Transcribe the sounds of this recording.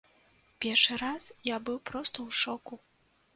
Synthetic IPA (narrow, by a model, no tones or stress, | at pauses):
pʲɛrʂɨɾasjabɨwpɾɔst̪ɐwʂɔku